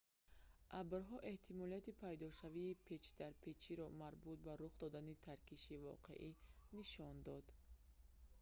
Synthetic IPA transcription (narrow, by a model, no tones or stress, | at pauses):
ʔabɾɦɔʔe̞ht̪ʰimɔliat̪ipʰajd̪ɔʃaviːpʰe̞t͡ʃd̪aɾpʰe̞t͡ʃʰiɾɔmaɾbut̪̚baɾuχd̪ɔd̪anit̪ʰaɾkiʃivɔ̰qʰe̞̰ʔiniʃɔnd̪ɔd̪